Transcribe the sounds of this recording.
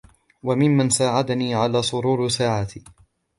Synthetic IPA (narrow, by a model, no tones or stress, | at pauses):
wamɪmːansaːʕad̪aniːʕalaːsˤʊɾuːɾsaːʕaːt̪ː